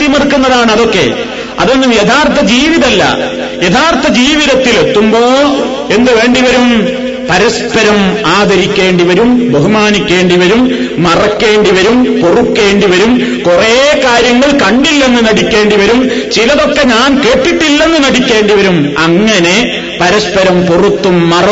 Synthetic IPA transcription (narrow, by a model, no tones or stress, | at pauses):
t̪jimirkːunːɐðaːɳɐðo̞kːe̞̰ | ɐ̰ðenːumjet̪ʰaːrt̪ʰɐd͡ʑiːʋiðɐlːɐ̰ | jet̪ʰaːrt̪ːɐd͡ʑiːʋiðɐt̪ːile̞t̪ːumbo̞ː | e̞nːɨʋe̞ːɳɖiʋɐɾum | pɐɾɐspɐɾɐmaːd̪ɐɾikʲːe̞ːɳɖiʋɐɾumbɐɦumaːnikʲːe̞ːɳɖiʋɐɾumː | ɐrɐkːe̞ːɳɖiʋɐɾumporukːe̞ːɳɖiʋɐɾum | kurekaːɾjɐŋːɐɭkɐɳɖilːɐenːɨnɐɽikʲːe̞ːɳɖiʋɐɾum | t͡ɕilɐðo̞kːe̞ɲaːnke̞ːʈːiʈːilːe̞nːɨnɐɽikʲːe̞ːɳɖiʋɐɾumɐŋːɐne̞ | pɐɾɐspɐɾɐmporut̪ːumːɐrɐ